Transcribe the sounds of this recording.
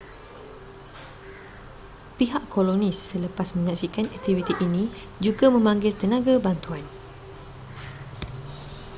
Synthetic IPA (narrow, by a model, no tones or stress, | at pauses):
piɦaʔkolonisːələpasmə̃ɲãʔsikanɛk̚t̪ivit̪iʔinĩd͡ʒuɡamə̃mãŋɡɪlt̪ənãɡabant̪uan